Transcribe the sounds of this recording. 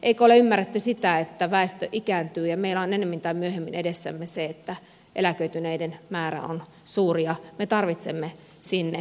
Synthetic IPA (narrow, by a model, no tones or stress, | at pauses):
ʔeikoleymːæret̪ːysit̪æet̪ːæʋæˑest̪øʔikæːnt̪yːjɑmeilæonenːemːint̪ɑimyøhemːinedesːæ̰mːeseet̪ːæ | ʔḛlækøyt̪yneidenmæːræ̰o̰n | suːrijɑmet̪ɑrʋit̪semːe | sinːe